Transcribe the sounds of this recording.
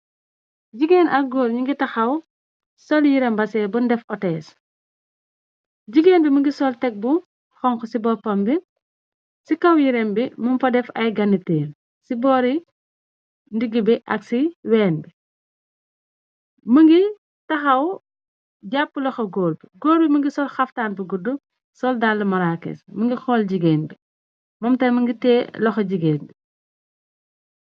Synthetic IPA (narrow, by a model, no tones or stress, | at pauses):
ɟiɡeːnʔɐk̚ɡoːlɲuŋɡitɐxɐw | sɔljiɾɛmbɐsɛːbundɛfɔtɛːs | ɟiɡeːnbiməŋɡisɔltɛk̚bu | xɔŋxɔsibɔpɐmbi | sikɐwjiɾɛmbimumfɐdɛfɐjɡɐnːiteːn | sibɔːɾi | ndiɡːibiʔɐ̰ksiwɛːnbi | məŋɡi | tɐxɐw | ɟapːulɔxɐɡɔːlbiɡɔːlbiməŋɡisɔlxɐftaːnbiɡudu | sɔldaːlːɐmɐɾaːkːɛ̰sməŋɡixɔːlɟiɡɛːnbi | mɔmtɐjmɐŋɡitɛːlɔxɐɟiɡɛːnbi